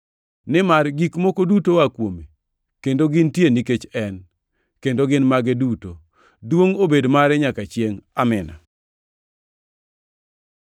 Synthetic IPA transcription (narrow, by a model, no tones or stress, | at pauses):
nɪmarɡikmokodutowakwome | kendoɡɪntjeniket͡ʃɛn | kendoɡɪnmaɡɛduto | dwoŋobedmaɾɛɲakat͡ʃjeŋamɪna̰